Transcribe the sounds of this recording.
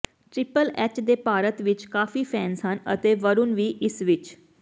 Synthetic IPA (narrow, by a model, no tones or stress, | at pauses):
ʈɾɪpəlɛːt͡ʃd̪eːpaːɾət̪ʋɪt͡ʃkaːfiːpʰɛːnsənə̰t̪eːʋəɾunʋiːʔɪsʋɪt͡ʃ